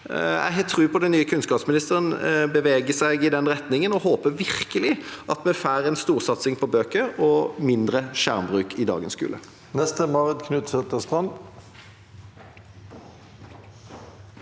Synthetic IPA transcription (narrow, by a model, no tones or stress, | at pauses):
æ̰ɪɦɛːt̪ʰːɾʉːpʰɔd̪ɛnnyːəkʰʉnskɑːpsmɪnɪst̪əʁənbəʋeːɡəsæɪɡɪd̪ɛnɾɛt̪nɪŋənɔhoːpəʋɪɾkəlɪʔɑt̪mɛfæːʁɛnst̪uːʁsɑt̪sɪŋpʰɔbøːkəɾɔmɪnd̪ɾəʃæʁmbʁʉːkʰɪd̪ɑ̰ːɡənskʉ̰lə̰ | nɛst̪əmɑːʁəd̪kʰnʉːt̪sɛt̪əst̪ʁɑnd̪